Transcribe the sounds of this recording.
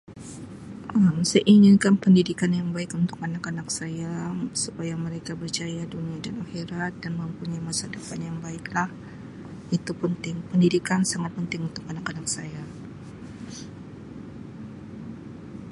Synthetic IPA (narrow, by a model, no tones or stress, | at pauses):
ʔəmsəʔiŋɪnkanpəndidikanjaŋbaɪkunt̪ʊ̥kanakanaksajasupajaməɾekabərt͡ʃajaduniadanaxiɾat̪̚danməmpuɲamasadəpanjaŋbaɪklah | ʔit̪upənt̪ɪŋpəndidikansaŋat̪̚pənt̪ɪŋunt̪ʊk̚anakanak̚saja